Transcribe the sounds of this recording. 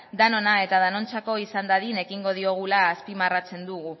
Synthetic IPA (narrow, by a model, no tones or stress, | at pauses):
d̪ano̞nae̞t̪aðano̞nt͡sako̞isand̪aðine̞kiŋɡo̞ð̞io̞ɣ̞ulaːspimarat͡se̞nd̪uɣ̞u